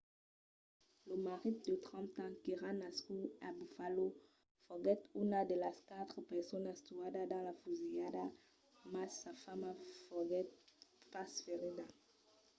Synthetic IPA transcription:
ləmaʁid̪ət̪χɑ̃t̪ɑ̃kiʁanaskuabufalo | fɔɡɛt̪ynad̪elaskat̪χəpɛʁsɔnast̪uad̪ad̪ɑ̃lafuzijada | masafamafɔɡɛt̪̚pasfeʁid̪a

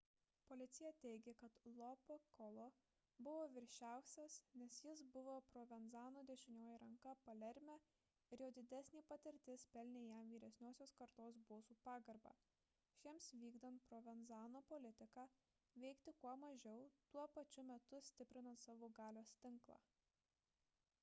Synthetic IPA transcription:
polʲɪt̪sʲɪjɛt̪ʲɛɪɡʲekɐt̪lˠɔpɐkɔlˠo | bʊʋoːʋʲɪɾʲʃʲæˑʊsʲɛsnʲɛsjɪs̬bʊʋoːpɾɔːʋʲɛnzɑːnoːd̪ʲɛʃʲɪnʲoːjɪɾɐŋkɐpɐlʲɛɾʲmʲæ | ɪɾjoːd̪ʲɪd̪ʲæsʲnʲiːpɐt̪ʲɪɾʲt̪ʲɪspʲɛlʲnʲeːjæmʋʲiːɾʲɛsʲnʲoːsʲoːskɐɾt̪oːsboːsuːpɑːɡɐɾbɑ̰ː | ʃʲiɛmsʋʲiːɡd̪ɐnt̪̚pɾɔːʋʲɛnzɑːnoːpɔlʲɪt̪ʲɪkɑː | ʋʲɛɪkt̪ʲɪkuɔmɐʒʲɛʊt̪uɔpɐt͡ʃʲʊmʲɛt̪ʊsʲt̪ʲɪpʲɾʲɪnɐnt̪sɑːʋoːɡɑːlʲoːst̪ʲɪŋklˠɑ̰ː

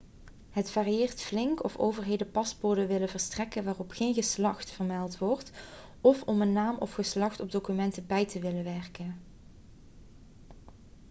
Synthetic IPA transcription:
ɦətfaːrijɪːrtflɪŋkɔfo̰ːwvəɹɦejdəpɑsboɹdəʋɪləvəɹstrɛkənʋaːrɔpxejnɣəslɑxtfərmɛlˠtʋɔɹt | ɔfɔmənːaːmʔɔ̰fχəslɑxtɔb̚dowkymɛntəbɛjtəʋɪləʋɛɹkən

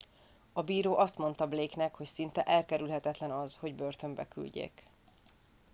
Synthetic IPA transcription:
ɒbiːɾoːʔɒst̪mo̞nt̪ɒbleːknɛkho̞csint̪ɛʔɛlkɛɾylɦɛt̪ɛt̪lɛnɒzho̞ɟbø̞rt̪ø̞mbɛ̰ky̰lɟḛːk

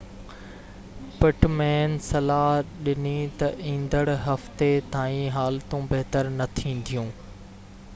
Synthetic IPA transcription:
pɪʈmeːnsɐlaːɦɗɪnit̪ɐʔĩːnd̪əɽɦɐft̪et̪aːĩɦaːlt̪ũbeɦt̪əɾnɐt̪ʰĩːn̆d̪ijũː

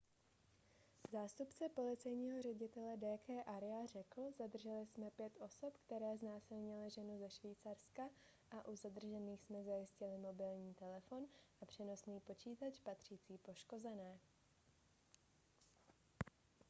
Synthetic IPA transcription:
zaːst̪upt͡sɛpo̞lɪt͡sɛjɲiːɦo̞rɛɟɪt̪ɛlɛdɛːkɛːʔaɾɪar̝ɛkl̩zad̪r̩ʒɛlɪsmɛpjɛt̪ʔo̞so̞pkt̪ɛɾɛːznaːsɪlɲɪlɪʒɛnuzɛʃviːt͡sarska | ʔaʔuzad̪r̩ʒɛniːxsmɛzajɪscɪlɪmo̞bɪlɲiːt̪ɛlɛfo̞nʔapr̝̥ɛno̞sniːpo̞t͡ʃiːt̪at͡ʃpat̪r̝̥iːt͡siːpo̞ʃko̞zɛnɛː

